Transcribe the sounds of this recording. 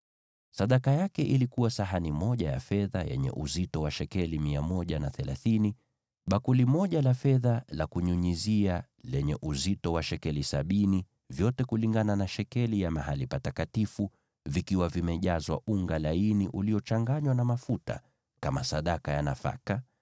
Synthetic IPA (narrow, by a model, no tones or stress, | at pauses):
saɗakajakɛʔilikuwasaɦanimɔʄaja̰fɛðajɛ̰ɲɛ̰ʔuzitɔwaʃɛkɛlimiamɔʄanaθɛlaθini | ɓakulimɔʄalafɛðalakuɲuɲizia | lɛɲɛʔuzitɔwaʃɛkɛlisaɓini | vjɔtɛkuliŋɡananaʃɛkɛlijamaɦalipatakatifu | vikiwavimɛʄazwa̰ʔuŋɡalainiʔuliɔt͡ʃaŋɡaɲwanamafuta̰ | kamasaɗakajanafa̰ka